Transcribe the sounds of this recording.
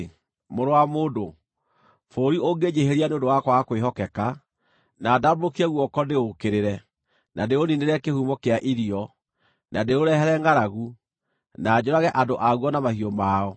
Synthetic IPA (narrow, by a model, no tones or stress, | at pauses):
moɾowamoːdo | foːɾioɡeɲeheɾianeodowakwakweɦɔkɛka | nadaboɾokiɛɣwɔkɔndeokeɾeɾɛ | nandeonineɾɛkehuːmɔkeaʔiɾiɔ | nʔadeoɾɛɦɛɾɛŋɡaɾaɣu | naːd͡ʑoɾaɣɛʔandoʔaɣwɔnamahiɔmaɔ